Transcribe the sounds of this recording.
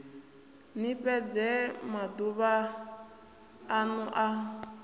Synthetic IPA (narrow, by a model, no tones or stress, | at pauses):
nipɛd͡zɛmad̪uβa | nuʔa